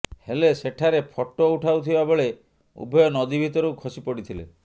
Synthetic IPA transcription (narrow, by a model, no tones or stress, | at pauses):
heleseʈʰaɾepʰɔʈːouʈʰawt̪ʰibaboɭe | ṵbʱɔjɔnɔd̪ibʱit̪ɔɾukʰɔsipɔɽit̪ʰilḛ